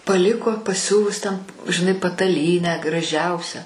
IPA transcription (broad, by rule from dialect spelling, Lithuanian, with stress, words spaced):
pɐˈlʲɪkoː pɐˈsʲʊʋʊs tʲɛn ʒʲɪˈnɐɪ pɐtɐˈlʲiːnʲæː ɡrɐˈʒʲɛʊsʲæː